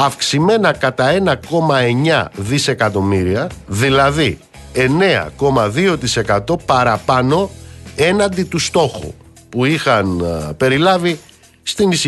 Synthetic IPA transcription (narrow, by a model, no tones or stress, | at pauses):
ɐfksime̞nɐkɐt̪ɐe̞nɐko̞mɐe̞ɲɐðise̞kɐt̪o̞miɾiɐðilɐði | e̞ne̞ɐ̰ko̞mɐðio̞t̪ise̞kɐt̪o̞pɐɾɐpɐno̞e̞nɐnd̪it̪ust̪o̞xṵ | puixɐnpe̞ɾilɐvi | st̪inis